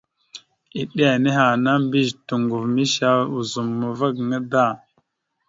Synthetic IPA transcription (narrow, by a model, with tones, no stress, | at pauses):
i˨ɗe˦a˨ne˦ɦa˨na˦mbi˦ztu˨ŋɡu˨vmi˦ʃa˦u˨zu˨mːu˨va˦ɡŋa˦da˦˨